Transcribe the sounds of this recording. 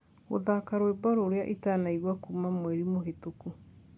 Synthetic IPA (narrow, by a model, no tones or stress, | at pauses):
ɣo̰ðakaɾoebɔɾoːɾeaʔitaːnaiɣwakuːmamwɛɾimoɦetoku